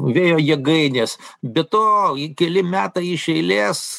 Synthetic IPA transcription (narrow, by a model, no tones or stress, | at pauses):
ʋʲeːjoːjɛɡɐɪnʲeːsbʲɛt̪oːikʲɛlʲɪmʲæːt̪ɐɪɪʃʲɛɪlʲeːs